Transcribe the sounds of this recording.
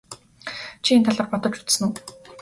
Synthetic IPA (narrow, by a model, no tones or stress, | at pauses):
t͡ɕʰient̪ʰaɮaːrpɔt̪ɞ̆t͡ɕu̥t͡s̪sɘ̆nu